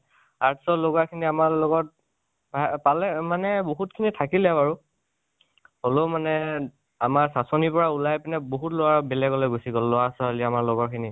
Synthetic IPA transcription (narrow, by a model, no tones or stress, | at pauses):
aɹtsɔloɡakʰiniamaɹlɔɡɔt̚ | bʱapalɛmanɛboɦutkʰinitʰakilɛbaɹu | holomanɛ | amaɹsasɔnipɔɹaulajpɛnɛboɦutlɔwaɹbɛlɛɡɔlɛɡusikɔlːɔwasɔaliamaɹlɔɡɔkʰini